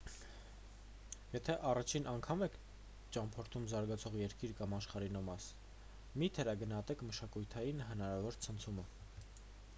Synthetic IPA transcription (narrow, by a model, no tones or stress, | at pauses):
jɛt̪ʰɛʔɑrɑt͡ʃʰinʔɑŋkʰɑmɛkʰ | t͡ʃɑmpʰɔɾt̪ʰumzɑɾɡɑt͡sʰɔʁjɛɾkiɾkɑmɑʃχɑɾinɔmɑs | mit̪ʰɛɾɑɡənhɑt̪ɛkʰməʃɑkujt̪ʰɑjinɦənɑɾɑvɔɾt͡sʰənt͡sʰumə